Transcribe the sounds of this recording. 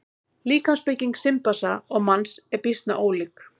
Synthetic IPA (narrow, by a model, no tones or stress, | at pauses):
liːkanspɪciŋksɪmpasaɔɣmansɛɾpist̪na̰ʔoːwlik